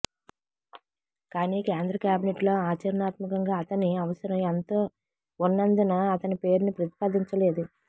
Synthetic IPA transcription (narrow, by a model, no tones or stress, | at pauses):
kaːniːkeːnd̪ɾɐkjaːbineʈloːaːt͡ʃɐɾɐnaːt̪mɐkɐŋɡaːɐt̪ɐniɐʋɐsɐɾɐment̪oː | unːɐnd̪inɐːt̪ɐnipe̞ːɾunipɾɐt̪i̥paːd̪iɲt͡ʃɐle̞ːd̪u